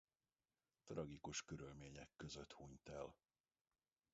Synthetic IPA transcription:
t̪rɒɡikuʃkøɾylmeːɲɛkːø̞zøt̪huːɲt̪ɛl

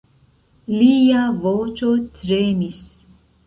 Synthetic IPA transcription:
liːjavoːt͡ʃot͡sɾeːmis

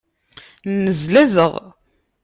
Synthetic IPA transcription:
nːəzlæzəʁ

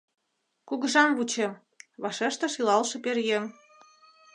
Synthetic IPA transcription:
kuɣə̆ʒɑmβut͡ɕĕ | βɑʃeʃt̪ɤ̆ʃilɑlʃɤ̆perjem

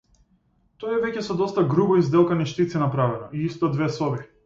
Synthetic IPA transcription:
t̪ɔjɛvɛcɛsɔd̪ɔst̪aɡɾubɔizd̪ɛlˠkanɛʃt̪it̪sinapɾavɛnɔiist̪ɔd̪vɛsɔbi

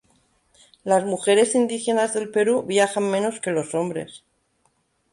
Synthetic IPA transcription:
lazmuxe̞ɾe̞sind̪ixe̞nazðe̞lpe̞ɾuβjaxammẽ̞no̞ske̞lo̞so̞mbɾe̞̰s

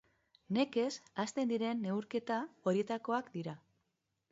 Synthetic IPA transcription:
ne̞ke̞sast̪e̞nd̪iɾe̞nːe̞uɾke̞t̪ao̞ɾie̞t̪ako̞akd̪iɾa

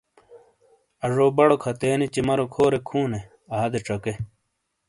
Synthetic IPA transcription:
ɐʐoːbɐɽokʰɐt̪eːnit͡ɕimɐɾokʰoːɾekʰuːne | ɐɦɐd̪eʈ͡ʂɐke

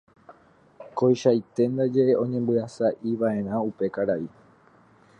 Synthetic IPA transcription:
ko̞jʃajt̪e̞nd̪ad͡ʒe̞ʔeʔõ̞ɲẽ̞mbɨasaʔiʋae̞ɾ̃ãupe̞kaɾai

